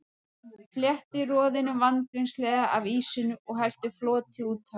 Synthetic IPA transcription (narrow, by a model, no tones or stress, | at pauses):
fljɛht̪ɪrɔːðɪnʏvant̪ɾinslɛːðaʔaviːsɪnʏʔɔɣɦɛl̥t̪ɪflɔːt̪ʰɪuːt̪ʰa